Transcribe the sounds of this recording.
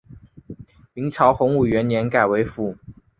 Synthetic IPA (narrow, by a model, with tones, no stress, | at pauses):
mi˧˥ŋt͡ɕʰjɑ˧˥ʊxʊ˧˥ŋu˨˩ɥɛ˧˥njɛ˧˥nka˨˩ɪwe˧˥ɪfu˧˥˦